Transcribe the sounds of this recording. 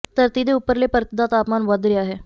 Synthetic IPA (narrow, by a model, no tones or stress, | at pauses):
t̪əɾt̪id̪eupəɾlepəɾt̪id̪at̪aːpmaːnʋəd̪ɾiaːɦe